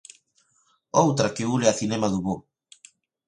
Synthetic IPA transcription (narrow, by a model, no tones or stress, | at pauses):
owt̪ɾakeuleaθinɛmaðuβo